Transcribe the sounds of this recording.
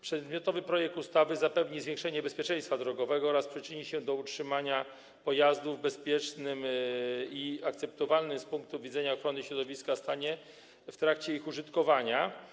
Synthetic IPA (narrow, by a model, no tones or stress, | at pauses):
pʂɛd̪mʲɔt̪ɔvɘpɾɔjɛk̚t̪ust̪avɘzapɛvɲizvʲjẽŋkʂɛɲɛbɛspʲjɛt͡ʂɛ̃j̃st̪fad̪ɾɔɡɔvɛɡɔɔɾaspʂɘt͡ʂɘɲiɕɛd̪ɔutʂɘmaɲa | pɔjazd̪uvbɛspʲjɛt͡ʂnɘm | iakt̪sɛp̚t̪ɔvalnɘspuŋk̚t̪uvʲid̪zɛɲaɔxɾɔnɘɕɾɔd̪ɔvʲiskast̪aɲɛ | ft̪ɾakt͡ɕɛixuʐɘt̪kɔvaɲa